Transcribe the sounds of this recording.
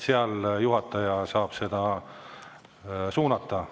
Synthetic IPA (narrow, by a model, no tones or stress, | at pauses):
seɑljuɦɑt̪ːˑɑjɑsɑːb̥se̞d̪̥ɑ | suːnɑt̪ˑːɑ